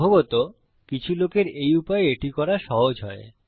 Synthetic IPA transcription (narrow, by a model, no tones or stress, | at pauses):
oɡot̪o | kit͡ɕʰulokeɾejupaeeʈikɔɾaʃɔɦod͡ʑɦɔ̰e